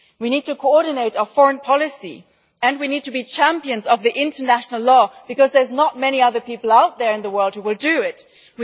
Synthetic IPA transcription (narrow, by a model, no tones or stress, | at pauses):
winid̚tɨkʰoɔɹɾⁿn̩eɪɾəfɔɹə̃npʰɑlˠɨsḭ | ɨ̃nwinid̚tʰɨbit͡ʃʰæ̃mpiɨ̃nzʌvðiʔɪ̃ntʰənæʃnl̩ˠlɔb̥ɨkʌzðə˞znət̚mɛñiʌðə˞pipl̩ˠaʊt̪̚ðə˞ɨ̃nðəwɜ˞lˠd̚huwɪlˠdɨɪt̚ | w